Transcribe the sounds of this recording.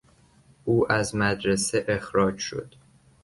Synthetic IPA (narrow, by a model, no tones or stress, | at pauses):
ʔuːʔæzmæd̪ɾeseʔexɾɒːd͡ʒʃo̰d̪̥